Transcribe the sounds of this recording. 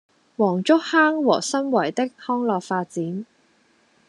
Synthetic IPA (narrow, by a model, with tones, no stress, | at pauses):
wɔː˨˩ŋt͡ʃʊ˥k̚haː˥ŋwɔː˨˩sɐ˥nwɐ˨˩jt̪ɪ˥k̚hɔː˥ŋlɔː˨k̚faː˧t̚t͡siː˨˥n